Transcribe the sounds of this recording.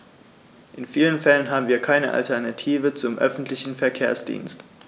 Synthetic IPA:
ʔɪnfiːlənfɛlənɦaːbm̩viːɐkʰaɪnəʔa̰ltʰɛɐnatʰiːvət͡sʊmʔœ̰fn̩tlɪçn̩fɛɐkʰeːɐsd̥ḭːnst

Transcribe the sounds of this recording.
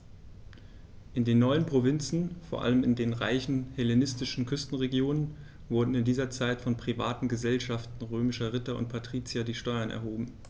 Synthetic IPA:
ʔɪndeːnːɔʏənpʁ̥ovɪnt͡sn̩foːɐʔa̰ləmɪndeːnʁa̰ɪçn̩hɛlenɪstɪʃn̩kʰʏstn̩ʁeɡjoːnən | vʊɐdn̩ɪndiːzɐt͡saɪtfɔnpʁ̥iva̰ːtn̩ɡəzɛlʃaftn̩ʁøːmɪʃɐʁɪtɐʊ̰nt̚pʰatʁ̥iːt͡sjadiːʃtɔʏɐnɛ̰ɐɦoːbm̩

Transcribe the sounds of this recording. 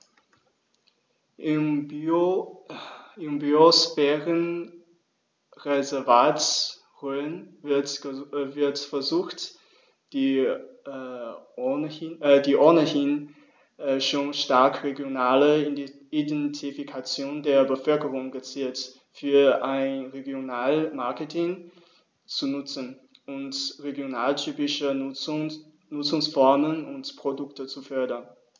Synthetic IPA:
ɪm | ɪmbyosfɛʁən | ʁezɛɐvaːt | ʁøːn | vɪɐtfɛɐzuːxt | d̥iː | diːʔɔɐnəhɪn | ʔʃoːnʃtaɐkʁeɡjonaːlə | idɛntʰifikʰat͡sjoːndeːɐbəfœlkəʁ̞ʊŋɡət͡siːlt | fyːɐʔaɪnʁeɡjonaːlmaɐkətʰɪŋ | t͡sunʊt͡sən̩ʔʊntʁeɡjonaːltʰyːpɪʃə | nʊt͡sʊŋsfɔɐmənʊntpʁ̥odʊktət͡sufœɐdɐn

